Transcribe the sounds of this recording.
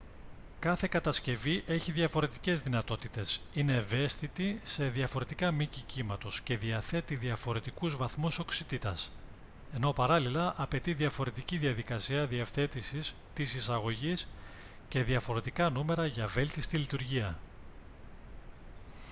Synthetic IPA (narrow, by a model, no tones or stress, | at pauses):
kɐθe̞kɐt̪ɐsce̞viʔe̞çiðʝɐfo̞ɾe̞t̪i̥ce̞zðinɐt̪o̞t̪it̪e̞sine̞ːve̞st̪it̪ise̞ðiɐfo̞ɾe̞t̪ikɐmicicimɐt̪o̞sce̞ðiɐθe̞t̪iðiɐfo̞ɾe̞t̪ikuzvɐθmuso̞ksit̪it̪ɐs | e̞no̞pɐɾɐlilɐʔɐpe̞t̪iðiɐfo̞ɾe̞t̪iciðiɐðikɐsiɐðiefθe̞t̪isis | t̪isisɐɣo̞ʝis | ce̞ðiɐfo̞ɾe̞t̪ikɐnume̞ɾɐʝɐve̞lt̪ist̪ilit̪uɾʝiɐ